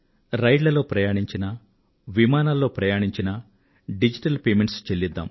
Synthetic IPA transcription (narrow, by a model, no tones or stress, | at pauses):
ɾɐjɖlɐlo̞ːpɾɐjaːɳiɲt͡ʃinɐ | ʋimaːnaːlːo̞ːpɾɐjaːɳiɲt͡ʃinɐ | ɖid͡ʒiʈɐlpeːmeɳʈst͡ʃelːid̪ːa̰ːm